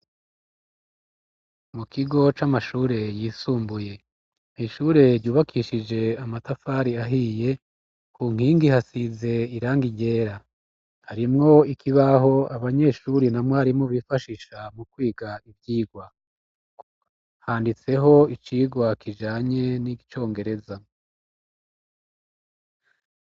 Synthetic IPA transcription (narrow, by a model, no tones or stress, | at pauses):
mukiɡo̞t͡ʃamaʃuːɾe̞jiːsuːmbuje̞ | niʃuːɾe̞ɾɟuːβakʰiːʃid͡ʒe̞amatafaːɾiaɦiːje̞ | kuːŋ̥hiːŋɡihasize̞iɾaːŋɡiɟe̞ːɾa | haɾimŋo̞ikʰiβaho̞aβaɲe̞ʃuːɾinamŋahaɾimŋoβiːfaʃiʃamukwiːɡaivjiːɡwa | haːndit͡se̞ɦo̞it͡ʃiːɡwakʰid͡ʒaːɲe̞niɡit͡ʃo̞ːŋɡe̞ɾe̞za